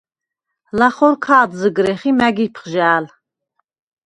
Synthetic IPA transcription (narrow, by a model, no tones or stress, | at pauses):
laχɔɾkʰaːd̪zəɡɾɛχimæɡipʰχʒaːl